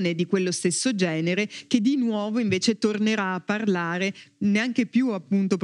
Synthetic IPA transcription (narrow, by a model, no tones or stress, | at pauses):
ned̪ikwelːost̪esːod͡ʒɛːneɾek̟ed̪inwɔːvoiɱveːt͡ʃet̪orneɾaːpːarlaːɾeneaŋk̟epjuapːunt̪op